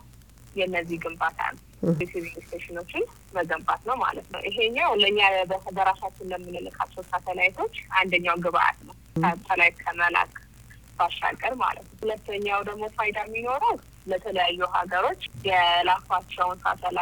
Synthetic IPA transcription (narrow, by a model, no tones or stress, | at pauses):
jɛnːəzːiɡɨmbat̪ʰa̰nə | sivinst̪ʰeʃɪno̞t͡ʃːɪn | məɡəmbat̪nəwma̰lət̪nə̰wʔiɦe̞ɲːawləɲːabəəbəɾasat͡ʃːɪnləmːɨnɨlɨkʰa̰t͡ʃːɛwsat̪ʰəlajit̪ʰo̞t͡ʃːʔand̪əɲːawɡɨβaʔa̰t̪nəwʰ | ət̪ʰəlajt̪kʰəməla̰kʼ | b̥aʃːa̰ɡʼːəɾma̰lə̰t̪nəhulət̪ːəɲːawd̪əɡmo̞fajd̪amːino̞ɾəw | lət̪ʰələjajːuɦaɡəɾo̞t͡ʃːjɛlafat͡ʃːɛwnsa̰t̪ʰəla